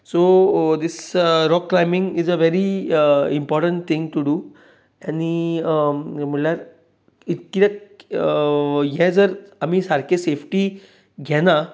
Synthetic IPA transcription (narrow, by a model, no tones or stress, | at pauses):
sod̪isɾɔkːɾajmiŋɡizəʋeɾiimpɔɾʈə̃ɳʈ̚t̪ʰĩŋɡʈuɖuː | ɛni | m̤əɳljaɾ | it̪̚kiɾek | jɛd͡zəɾamisaɾkʰesefʈi | ɡʱɛna